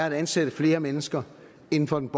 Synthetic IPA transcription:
ɐæd̥ænsed̥əfle̝ːɐmenəsɡ̥ɐ | e̝n̩fɒ̽d̥en̩b̥

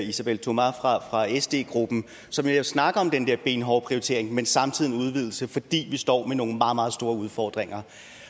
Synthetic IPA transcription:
isæb̥el̰t͡sʰo̝mæfʁɑ̈fʁɑ̈esd̥e̝̰ːɡ̥ʁub̥n̩ | sɒ̽mjæsnɑ̈ɡ̥əɒ̽md̥end̥eɐ̰b̥e̝ːnɦɒʊpʰʁioit͡sʰe̝̰ɐe̝ŋmensɑ̈mt͡sʰið̞̰ˠnuð̞ˠʋið̞̰ˠl̩səfɒ̽d̥ḭːʋisd̥ɒ̰ːmeno̝ːŋ̩mɑ̈ːmɑ̈ːð̞̩ˠsd̥o̝ːɐuð̞ˠfɒːd̥ʁeŋɐ

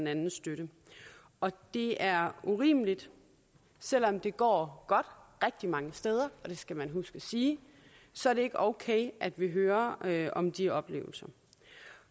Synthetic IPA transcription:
nænn̩ˠsd̥øɾə | ʔɒ̽d̥e̝æɐuʁḭːməlid̥ | sel̰ɒ̽md̥e̝ɡ̥ɒ̰ːɡ̥ɒ̽d̥ʁɛɡ̥̚d̥imɑ̈ŋəsd̥eːð̞ˠɐɒ̽d̥e̝sɡ̥æmænɦusɡ̥əsiː | sɒ̽æɐɾe̝e̝ɡ̥əʔɒʊkʰeɪʔæd̥ʋiɦøːɐɒ̽md̥iɒ̽b̥lḛːʊl̩sɐ

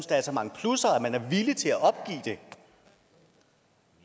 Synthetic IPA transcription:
nsd̥ɛ̰ːd̥sɒmɑ̈ŋəpʰlusɐæmænæɐʋilit͡sʰe̝læʔɒ̽b̥̚ɡ̥ḭːd̥e̝

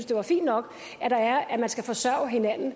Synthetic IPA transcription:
nsd̥e̝ʋɑ̈fḭːnd̥nɒ̽ɡ̥ | æɾ̥ɑ̈æɐæmænsɡ̥æfɒ̽sɶɐ̰ʊɦe̝næn̰n̩

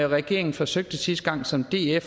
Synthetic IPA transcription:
ɒʁɛɡ̥e̝̰ɐ̰eŋn̩fɒ̽søɡ̥̚d̥əsisd̥ɡ̥ɑ̈ŋ̰sɒ̽md̥e̝̰ːef

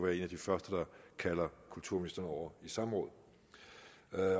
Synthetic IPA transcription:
ʋæːɐe̝næd̥ifɶɐsd̥əd̥ɑ̈kʰælɐkʰult͡sʰuɐ̰inisd̥ɐnɒʊ̰ɐisɑ̈mʁɔ̽ːð̩̰ˠ

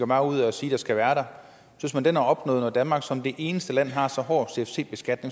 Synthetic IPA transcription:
ɒmɑ̈ɪuð̰ˠɒsiːd̥ɑ̈sɡ̥æʋæːɐɾɑ̈ | sysmænd̥enhæɒ̽b̥nɔ̰ːð̩ˠnɒd̥ænmɑ̈ɡ̥sɒ̽md̥e̝ʔe̝ːnəsd̥əlæn̰ɦɑ̈sɒ̽ɦɒ̰̥ːse̝efsʰe̝̰ːb̥e̝sɡ̥æd̥ne̝ŋ

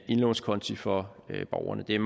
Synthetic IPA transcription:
e̝nleʊn̩skʰɒ̽nt͡sʰifɒ̽b̥ɒʊɐ̰nəd̥e̝æɐ

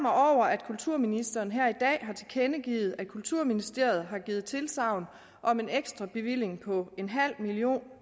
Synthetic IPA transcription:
mɐɒʊ̰ɐʔæd̥kʰult͡sʰuɐ̰minisd̥ɐːnɦæɐ̰id̥ɛ̰ːɦɑ̈t͡sʰe̝lkʰenəɡ̥ḭːð̞̩ˠæ̥kʰult͡sʰuɐminisd̥e̝ɐ̰ð̞̩ˠɦɑ̈ɡ̥iːð̩ˠt͡sʰe̝lsɑ̈ʊ̰n | ʔɒ̽me̝neɡ̥sd̥ʁɑ̈b̥e̝ʋil̰e̝ŋpʰɒ̽e̝nɦæl̰milio̝̰ːn

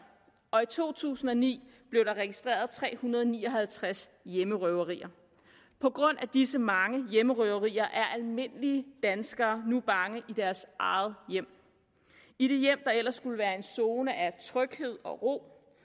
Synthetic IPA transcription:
ɒ̽it͡sʰo̝̰ːt͡sʰṵːsn̩ɒ̽nḭːb̥le̝ʊɾ̥ɑ̈ʁɛɡ̥isd̥ʁḛːɐð̞̩ˠt͡sʰʁɛ̰ːhunɐðˠɒnḭːɒ̽ɦælt͡sʰʁasjeməʁœʊɐʁḭːɐ | pʰɒ̽ɡ̥ʁɔ̽n̰ʔæd̥isəmɑ̈ŋəjeməʁœʊɐʁḭːɐʔæɐʔælme̝n̰əliəd̥ænsɡ̥ɐːnub̥ɑ̈ŋəʔid̥æɐsʔɑ̈ɪð̩ˠjem̰ | iɾ̥e̝jem̰d̥ɑ̈el̰ɐsːɡ̥uləʋæːɐe̝nso̝ːnəʔæt͡sʰʁœɡ̥he̝ð̞̰ˠɒ̽ʁo̝̰ː

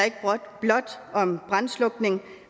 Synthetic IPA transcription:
e̝ɡ̥əb̥ʁɔd̥b̥lɒ̽d̥ɒ̽mb̥ʁɑnslɔ̽ɡ̥ne̝ŋ

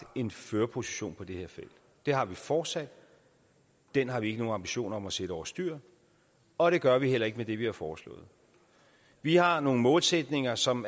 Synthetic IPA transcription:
e̝nføːɐpʰo̝si̥ɕo̝̰ːnpʰɒ̽d̥e̝he̝ɐ̰fel̰d̥ | d̥e̝hɑ̈ʋifɒːd̥sæd̥ | d̥enɦɑ̈ʋie̝ɡ̥əno̝ːnɑ̈mb̥iɕo̝̰ːnɐɒ̽mæsed̥əɒɐsd̥yɐ̰ | ɒ̽ɾ̥e̝ɡ̥ɶɐʋihel̰ɐe̝ɡ̥əmed̥e̝ʋihɑ̈fɒːslɔ̰̽ːð̩ˠ | ʋihɑ̈no̝ːŋ̩mɔːlsed̥ne̝ŋɐsɒ̽m

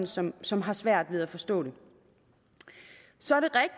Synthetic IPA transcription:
n̩sɒ̽msɒ̽mɦɑ̈sʋæɐ̰d̥ʋe̝ð̞ˠæfɒ̽sd̥ɔ̰ːɾe̝ | sɒ̽æɐɾe̝ʁɛɡ̥̚

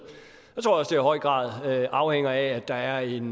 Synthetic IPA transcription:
jɑt͡sʰʁo̝ɐ̰ɒ̽sd̥e̝æihɒ̽ɪ̰ɡ̥ʁɑ̰̈ːð̞ˠøʔɑ̈ʊheŋ̰ɐææd̥ɑ̈æɐe̝n

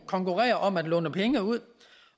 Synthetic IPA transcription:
kʰɒ̽ŋkʰuʁɛ̰ːɐʔɒ̽mæd̥lɔ̽ːnəpʰeŋəuð̰ˠ

